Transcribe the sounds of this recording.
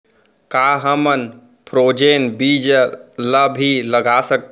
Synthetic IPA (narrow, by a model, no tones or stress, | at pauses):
kaɦəmən | pɾod͡ʒenbid͡ʒləbʱiləɡasək̪̚